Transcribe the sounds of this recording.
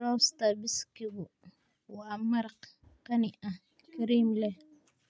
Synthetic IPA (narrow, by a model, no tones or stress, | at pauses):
ɾɔst̪ɐbɪskɪɣʊ | wɑːmɐɾqkɐnɪʔɐh | kʰɐɾiːmlɛh